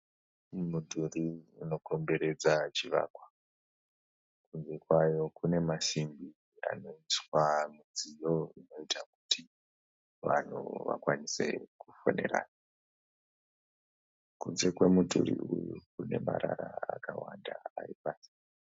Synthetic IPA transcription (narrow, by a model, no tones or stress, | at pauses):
mudʱuriuno̞ko̞mbe̞ɾe̞d͡zat͡ʃiʋa̰ːkwa | kunze̞kwajo̞kune̞masimbi | a̰no̞iswamid͡zijo̞ino̞itʰaku̥tʰi | ʋan̤ṵʋa̰kwanise̞̰kufoneɾa̰ːna | kunze̞kwe̞mudʱuɾḭujukune̞maɾaɾaakawandaːipaːsi̥